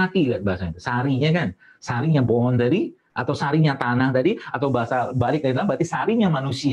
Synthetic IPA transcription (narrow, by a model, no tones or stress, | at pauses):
at̪iɡat̪̚baasaɲasaɾiɲakan | saɾiɲapoɦɔnt̪adi | at̪awsaɾiɲat̪anaht̪adiat̪awbaɦasabalɪk̚ait̪labat̪isaɾiɲamanusi